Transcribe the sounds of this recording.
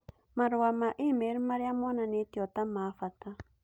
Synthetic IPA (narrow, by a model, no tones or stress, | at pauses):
maɾuwamaʔimeɾmaɾjamɔnanit̪jɔt̪amafat̪a